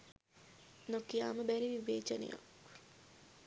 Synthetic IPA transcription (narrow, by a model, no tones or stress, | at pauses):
nokijaːməbæɾiʋiʋeːt͡ʃɐnə̰ja̰k